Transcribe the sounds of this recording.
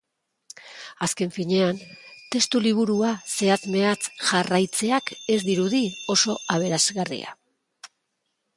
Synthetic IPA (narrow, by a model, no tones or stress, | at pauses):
aske̞ɱfiɲe̞ant̪e̞st̪uliβ̞uɾuase̞at͡sme̞at͡sʝarajt͡se̞ake̞zd̪iɾuðio̞so̞aβ̞e̞ɾazɣarḭa̰